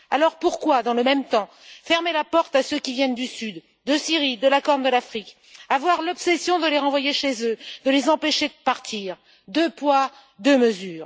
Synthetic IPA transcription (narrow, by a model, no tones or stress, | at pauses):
alɔʁpuʁkwad̪ɑ̃ləmɛmt̪ɑ̃ | fɛʁmelapɔʁt̪asøkʲivjɛnd̪ysyd̪ːəsiʁid̪əlakɔʁnd̪əlafχik | avwaʁlɔpsɛsjɔ̃d̪əleʁɑ̃vwajeʃezød̪əlezɑ̃peʃed̪əpaʁt̪ʰiʁ | d̪øpwa | d̪əməzyːʁ